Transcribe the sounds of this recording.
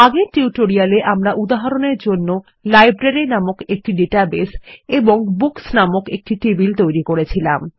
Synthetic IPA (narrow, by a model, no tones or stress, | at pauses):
aɡeʈiuʈoɾialeʔamɾaʔud̪aɦaɾoneɾd͡ʑonːo | lajbɾeɾinamokek̚ʈiɖeʈabeseboŋbuksnamokek̚ʈiʈebilt̪ojɾikoɾet͡ɕʰila̰m